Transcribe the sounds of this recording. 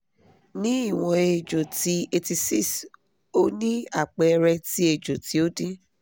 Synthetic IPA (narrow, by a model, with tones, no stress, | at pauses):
nĩ˦i˦˨w̃ɔ̃˧e˨d͡ʒo˨ti˧˦e˧ti˧si˦˨s | o˦nĩ˦a˦˨k͡pɛ˨˧ɾɛ˧ti˦e˧˨d͡ʒo˨ti˦o˦dĩ˦